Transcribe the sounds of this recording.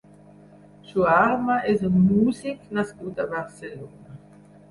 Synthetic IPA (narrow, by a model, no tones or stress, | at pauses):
suaaɾmɐʔɛzəmuziknaskut̪abaʁselonɐ